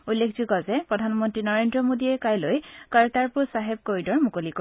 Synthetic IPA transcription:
ulːekʰzuɡɔzɛpɹɔdʱanmɔntɹinɔɹendɹɔmodiɛkajlojkaɹtaɹpʊɹsaɦeb̚koɹidɔɹmukoliko

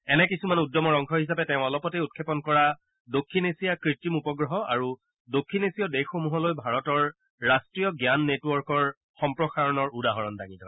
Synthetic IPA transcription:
ɛnɛkisumanudːɔmɔɹɔŋkʰɔɦis̬apɛtɛʊ̃ɔlɔpɔteut̚kʰepɔnkɔɹa | dokʰːinesijakɹitimupɔɡɹɔɦɔaɹu | dokʰːinesijɔdexxomuɦɔlojbʱaɹɔtɔɹː | astɹijɔɡjanːetwɔɹkɔɹ | xɔmpɹɔxaɹɔnɔɹudaɦɔɹɔndaŋitɔ̰

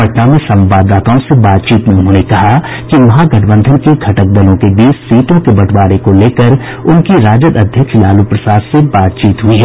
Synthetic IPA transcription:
əʈnamẽsɐ̃mʋaːd̪aːt̪aõsebaːt̪̚t͡ʃiːt̪nɐʊnɦõːnekɐɦa | kiʋɐɦãɡɐʈʰbə̃nd̪ʱənkeɡʱɐʈək̚d̪ɐlõkebiːt͡ʃsiːt̪õkebɐʈʰwaːɾekoleːkəɾ | ʊnkiɾaːd͡ʒəd̪ɐd̪ʱjəkʃlaːlupɾɐsaːd̪sebaːt̪̚t͡ʃiːt̪ɦʊiɦɛː

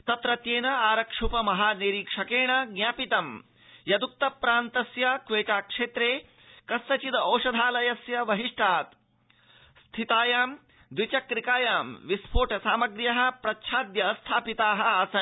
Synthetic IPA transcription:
t̪ɐt̪ɾɐt̪jeːnɐaːɾɐkʂupɐmɐɦaːneːɾiːkʂɐkeːɳɐɡnʲaːpit̪ɐm | jɐd̪uk̚t̪ɐpɾaːnt̪ɐsjɐkʋeːt͡ʃaːkʂeːt̪ɾeː | kɐst̪ɐt͡ʃid̪ɐoːʂɐd̪ʱaːlɐjɐsjɐʋɐɦiʂʈʰaːt̪ | st̪ʰit̪aːjaːm | d̪ʋit͡ʃɐkɾikaːjaːmʋispʰoːʈɐsaːmɐɡɾjɐɦɐ̆pɾɐtːʃʰaːd̪jɐːst̪ʰaːpit̪aːɦɐ̆aːsɐn

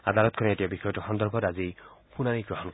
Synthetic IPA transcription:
ad̪alɔt̪̚kʰɔnɛetijabixɔjɔtɔxɔnd̪ɔɹbʱɔtazipunaniɡɹɔɦɔnk

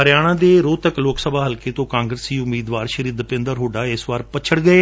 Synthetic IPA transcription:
əɾjaːɽ̃ãːd̪eːɾoːt̪əkloːksəbʱaːɦəlkeːt̪õːkãːŋɡɾəsiːʊmːiːd̪ʋaːɾʃəɾiːd̪pɪ̃nd̪əɾɦoːɖaːɪsʋaːɾpət͡ʃʰəɽɡəeː

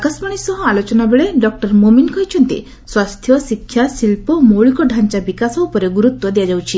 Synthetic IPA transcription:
akasmaɽ̃isɔɦɔ̃alot͡ʃɔnabeɭeɖɔk̚ʈɔɾmominkɔɦit͡ʃʰɔnt̪ḭ | swast̪ʰjɔsikʰːjasilpɔmoɭikɔɖʱant͡ʃabikasɔupɔɾeɡuɾut̪ːwɔd̪ejad͡ʒawt͡ʃʰi

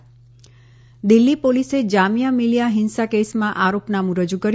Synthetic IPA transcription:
d̪ilːipolised͡ʒamijamilijaɦɪnsakesmãʔaɾopnamũɾəd͡ʒukəɾ

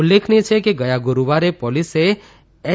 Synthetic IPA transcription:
ʊlːekʰnet͡ʃʰekeɡəjaɡʊɾuʋaɾepɔlise | ɛ

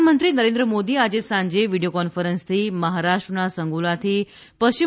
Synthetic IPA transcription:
mənt̪ɾiːnəɾẽnd̪ɾəmod̪iːad͡ʑesãɲd͡ʑeʋiɖijokɔnfəɾənst̪ʰiːməɦaɾaʂʈɾənasəŋɡulat̪ʰiː | pəst͡ɕi

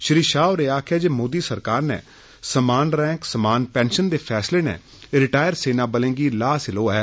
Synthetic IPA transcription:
ʃɾiːʃaːoɾeːaːkʰɛːd͡ʒeːmoːd̪iːsəɾkaːɾnɛ̰ː | səmaːnɾɛ̃ːŋksəmaːnpɛ̃ːnʃənd̪eːpʰɛːsleːnɛ̰ː | ɾɪʈaːjəɾseːnaːbəlẽːɡiːlaːsɪloːɛː

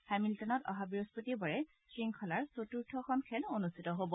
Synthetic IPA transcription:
hɛmiltɔnɔtɔ̰ɦabiɹospotibɔɹɛ | sɹiŋkʰɔlaɹsotuɹtʰɔxʰɔnkʰɛlonustʰi̥tɔɦobɔ

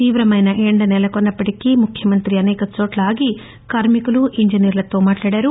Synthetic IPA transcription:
t̪iːʋɾɐmɐjnɐʔeːɳɖɐnɛlɐkonːɐpːɐʈikiːmukʰjɐmɐnt̪ɾiɐnɛːkɐt͡ʃoːʈlɐaːɡi | kaːɾmikuluʔiɲd͡ʒiniːɾlɐt̪o̞ːmaːʈlaːɽaːɾu

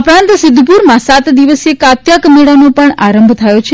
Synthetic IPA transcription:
əpɾãnt̪sɪd̪ʱːpuɾmãsat̪d̪iʋəsekat̪jakmeɭanopəɳaɾəmbʱt̪ʰajot͡ʃʰe

